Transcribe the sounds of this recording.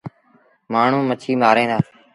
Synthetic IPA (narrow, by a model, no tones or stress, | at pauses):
maːɳ̤ũːmət͡ʃʰiːmaːɾẽːd̪aː